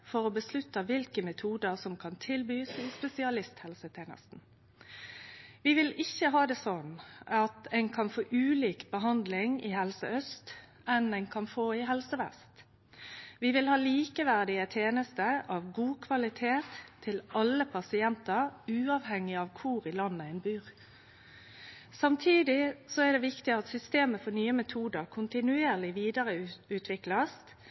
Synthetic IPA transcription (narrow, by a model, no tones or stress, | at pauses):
fɔɾoːbəslʉt̪ːəʋɪlkəmɛt̪ʰuːd̪əʁsɔmkʰɑnt̪ʰɪlbyːsɪspɛsɪɑlɪst̪hɛlsət̪ʰeːnə̰st̪n̩ | ʋɪʋɪlɪçːəɦɑːd̪ɛːsɔnɑt̪ɛɪnkʰɑnfoːʔʉːliːkbəɦɑnd̪lɪŋɪ̰hɛlsə̰œst̪ | ɛnæɪnkʰɑnfoːɪɦɛlsəʋɛ̰st̪ | ʋɪʋɪlhɑːliːkəʋæʁd̪ɪət̪ʰjeːnəst̪əʔɑʋɡuːkʰʋɑlɪt̪ʰeːt̪ʰːɪlɑlːəpʰɑsɪɛnt̪əɾʉːɑːʋhɛŋːɪɑʋkʰʊɾɪlɑnːəæɪnbyːʁ | sɑmt̪ʰiːd̪ɪsɔɛʁd̪ɛʋɪkt̪ɪɑt̪sʏst̪eːməfɔnyːəmɛt̪ʰuːd̪əʁkʰʊnt̪ɪnʉeːʁlɪʋiːd̪əʁəʉːt̪ʰʋɪklɑs